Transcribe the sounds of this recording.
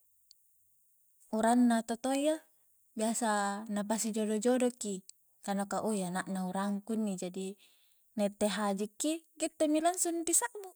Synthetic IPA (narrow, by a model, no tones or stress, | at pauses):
uɾanːat̪ot̪oja | biasanapasid͡ʒodod͡ʒodoki | kanokaʔojanaʔnauɾaŋkunːid͡ʒadi | nait̪ːeɦad͡ʒikːiɡet̪ːomilansundisaʔbu